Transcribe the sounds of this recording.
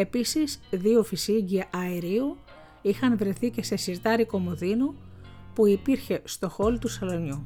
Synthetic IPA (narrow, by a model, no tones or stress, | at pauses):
e̞pisizðio̞fisiɟiɐʔɐeɾiu | ixɐnvɾeθice̞se̞siɾt̪ɐɾiko̞moðinu | puipiɾçe̞st̪o̞xo̞lt̪usɐlo̞ɲu